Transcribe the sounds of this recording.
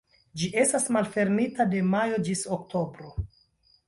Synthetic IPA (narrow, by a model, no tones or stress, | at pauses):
d͡ʒiʔe̞stasmalfe̞ɾnitade̞majo̞d͡ʒisoktʰo̞bɾo̞